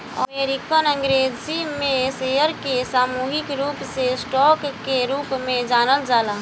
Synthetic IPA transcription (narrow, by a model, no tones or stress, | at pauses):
ɐmeːɾikənə̃ŋɡɾeːzimẽsejəɾkesaːmuːɦɪkɾuːpsesʈɔːkkːeɾuːpmẽd͡ʒaːnəld͡ʒaːlaː